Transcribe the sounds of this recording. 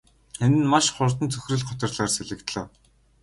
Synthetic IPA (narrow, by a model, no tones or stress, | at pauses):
enɘ̆nmaʃχʊrt̪ə̆nt͡sʰɵxʲrɘ̆ɮχɔt̪ə̆rɮaːrseɮɘ̆kt̪ɮə̆ː